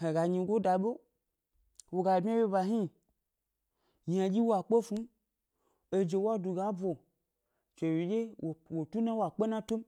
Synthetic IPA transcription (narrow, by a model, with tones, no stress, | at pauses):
he˨ɡa˨ɲi˧ɡo˦da˨ɓo˦ | wo˨ɡa˨bmʲ˦a˦we˦ba˨ɦi˦˨ | ɲ˨a˨d͡ʒi˦wa˨k͡po˦fu˦m | e˧d͡ʒe˧wa˦du˨ɡa˨˦bo˨ | t͡ʃe˨wi˨d͡ʒe˦˨wo˨tu˦na˦wa˨k͡pe˦nã˦to˦m